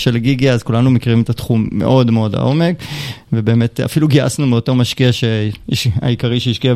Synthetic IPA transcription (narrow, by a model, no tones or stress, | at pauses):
ʃelɡiɡiazkulanumekiʁime̞t̪atχumːḛʔo̞dmeo̞da̰ʔo̞me̞kvebe̞ːme̞ta̰filuɡia̰snumeoto̞ʁmaʃkiaʃeiʃa̰ikaʁiʃeiʃkia